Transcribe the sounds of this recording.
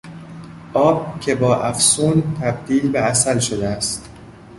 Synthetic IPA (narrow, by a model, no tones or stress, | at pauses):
ʔɒːb̥̚cʰe̞bɒːʔæfsuːnt̪ʰæb̚d̪iːlbeæsælʃod̪eæst̪